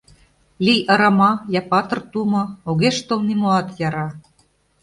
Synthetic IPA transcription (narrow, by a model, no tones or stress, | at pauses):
lijʔɑɾɑmɑjɑpɑt̪ɤ̆rt̪umɤ̆oɣeʃt̪olnimoɑt̪jɑɾɑ